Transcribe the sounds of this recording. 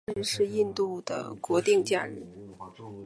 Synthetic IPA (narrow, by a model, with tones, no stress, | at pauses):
ʂɻ̩˥˧i˥˧nt̪u˥˩d̪ə̰˩kwɔ˧˥t̪i˥˧ŋt͡ɕja̰˥˧ɻ̩˥˩